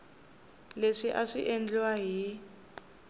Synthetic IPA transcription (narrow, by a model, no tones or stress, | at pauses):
leʂiʔaʂiʔend͡ɮwaɦi